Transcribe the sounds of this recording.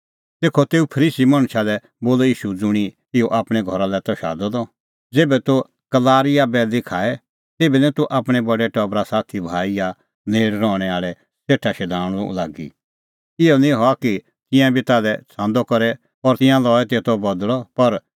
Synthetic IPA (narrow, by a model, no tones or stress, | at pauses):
t̪eːkʰɔt̪eːupʰɐɾiːsimãɽ̃ʃalɛ | boːlɔiːʃud͡zʊɽ̃i | ɪoʔaːpɽ̃ɛɡʱɔɾalɛt̪ɔʃa̰ːd̪ɔd̪ɔ | d͡zeːbɛt̪o | ɡ̥ɐlaːɾɪjabɛlɪkʰaːɛ | t̪eːbɛnɛ̃t̪uʔaːpɽ̃ɛbɐɖɛʈɔːbɾasaːt̪ʰibʱaːija | neːɽɾɔːɽ̃ɛaːɭɛ | seːʈʰːaʃɛd̪ʱaːɽ̃ṵlaːɡḭ | ɪɔnĩɦɔaki | t̪ɪ̃jãbʱit̪aːlɛt͡sʰãːnd̪ɔkɔɾɛ | ɔːɾt̪ɪ̃jãlɔːɛt̪et̪ɔbɐd̪lɔpɐɾ